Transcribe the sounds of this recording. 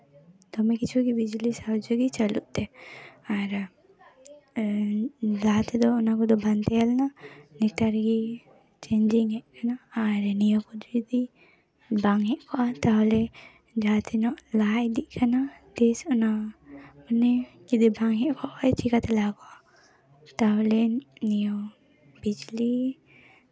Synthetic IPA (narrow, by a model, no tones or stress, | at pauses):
d̪ɔmɛkit͡ʃʰuɡibid͡ʒlisawd͡ʒoɡit͡ʃəluʔt̪ɛaɾ | lat̪ɛd̪ɔːnakɔd̪ɔbant̪ɛalnanikʈaɾɡi | t͡ʃeɲd͡ʒiŋɦɛʔkanaːɾnijɔkɔd̪id̪i | baŋɦɛʔkʰɔʔat̪aɦɔlɛ | d͡ʒat̪ʰinɔʔlaːd̪iʔkʰanad̪̥ɛsɔna | unɛkid̪ibaŋɦɛʔkʰɔʔajt͡ʃikat̪ɛlakɔʔa | t̪aɦɔlɛnijo | bid͡ʒli